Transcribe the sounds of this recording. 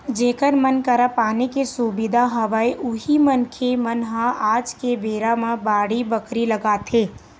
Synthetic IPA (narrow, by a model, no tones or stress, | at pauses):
d͡ʒeːkəɾmənkəɾapaːnikesubɪd̪ʱaɦəʋaiʔʊɦimənkʰemənɦaaːd͡ʒkebeːɾamãbaːɽibəkɾiləɡaːt̪ʰeː